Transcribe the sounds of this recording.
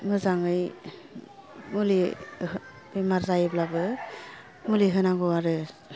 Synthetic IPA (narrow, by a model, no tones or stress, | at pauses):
mɯzaŋɯj | muli | bimaɾzajɯblabɯ | muliɦɯnaŋɡɔwaɾɯ